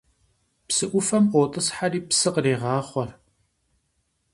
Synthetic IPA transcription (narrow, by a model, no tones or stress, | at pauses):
psɨʔʷʊfɐmʔʷɔːtʼɨsħariːpsɨqreːʁɑːχʷɔr